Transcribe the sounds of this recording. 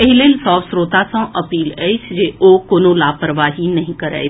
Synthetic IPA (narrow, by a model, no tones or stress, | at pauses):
eɦilelsɔːfsɾoːt̪asãʔɐpiːlɛːɪsd͡ʒeʔoːkoːnõlaːpɾəʋaːɦinɐɦĩkɐɾɛ̰ː